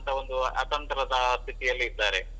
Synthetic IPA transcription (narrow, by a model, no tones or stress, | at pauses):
nt̪ʰɐo̞nd̪uɐ̰t̪ɐnt̪ɐɾɐd̪ɐst̪iʈijɐlːiːd̪ːaːɾe